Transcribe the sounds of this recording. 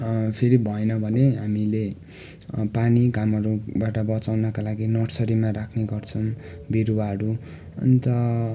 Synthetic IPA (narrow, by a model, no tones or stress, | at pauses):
pʰeɾibʱʌenʌbʱʌneɦamile | paniɡamʌɾubaʈʌbʌt͡sawnʌkalaɡinʌʈsʌɾimaɾakʰneɡʌrt͡sʰʌm | biɾuwaɦʌɾu | ʌ̰nit̪ʌ